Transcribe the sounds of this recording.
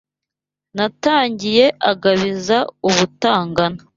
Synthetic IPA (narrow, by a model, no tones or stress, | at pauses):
nataːɲɟije̞ʔaɡaβizauβutaːŋɡana